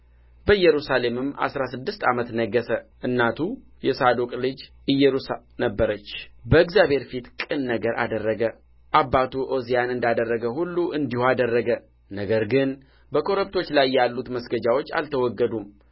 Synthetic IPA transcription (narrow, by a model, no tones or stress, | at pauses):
bəɨjːɛɾusale̞mɨmːʔa̰sɾasɨd̪ːɨst̪ʰamət̪nəɡːəsəʔɨnːat̪ʰu | jɛsad̪okʼlɨd͡ʒ | ɨjːɛɾus | nəbːəɾət͡ʃːbəɪɡzjabe̞ɾfit̪kʼɨnːəɡəɾa̰d̪ərːəɡə | ʔabːat̪ʰuʔozijanɨnd̪ad̪ərːəɡəhulːuʔɨnd̪ihad̪ərːəɡə | nəɡəɾɡɨn | bəkʰo̞ɾəbt̪ʰo̞t͡ʃːlajːalːut̪məsɡəd͡ʒawo̞t͡ʃːa̰lt̪ʰəwɔɡːəd̪um